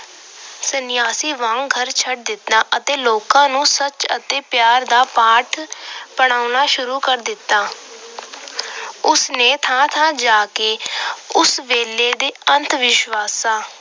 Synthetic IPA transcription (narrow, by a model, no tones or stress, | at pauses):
sənɪjaːsiːʋãːŋɡʱəɾt͡ʃʰəʈ̚d̪ɪt̪naːʔət̪eːloːkãːnũːsət͡ʃə̰t̪eːpjaːɾd̪aːpaːʈʰpəɽ̃aːʊnaːʃʊɾuːkəɾd̪ɪt̪ːaː | ʊsneːt̪ʰãːt̪ʰãːd͡ʒaːkeːʊsʋeːleːd̪eːənt̪ʰʋɪʃʋaːsãː